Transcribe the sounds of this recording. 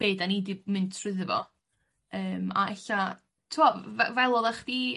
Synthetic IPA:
b̥eːdanidɪmɨntʰr̥ɨðəvɔ̰ | əːma̰ɛɬa | tʰuɔvɛvɛlˠɔðaχd̥i

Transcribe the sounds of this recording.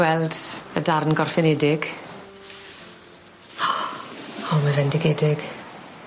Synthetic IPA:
wɛlˠdədarnɡɔrfɪnɛdɪɡ̥ | ɔmavɛndɪɡɛdɪɡ̥

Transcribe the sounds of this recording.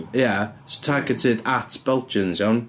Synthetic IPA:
jastʰaɡɛtʰɪdatʰb̥ɛlˠt͡ʃənzawn

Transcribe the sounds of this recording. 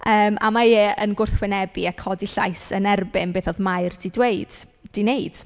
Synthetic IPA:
əːma̰majɛːʔənɡʊrθwɛnɛbiakʰɔdiɬa̰jsənɛrbɪnbeːθoɔðmajrdidweɨd̥ | d̥ineɨd̥

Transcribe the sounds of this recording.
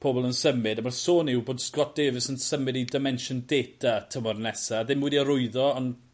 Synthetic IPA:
pʰoːbɔlˠənsəmɨdamarsoːnɪwboːd̥skɔt̚d̥eːvɨsənsəmɨdidɪmɛnʃɔndeːtʰatʰəmɔrnɛsaːðɪmwɛdiaɾʊɨðɔɔn

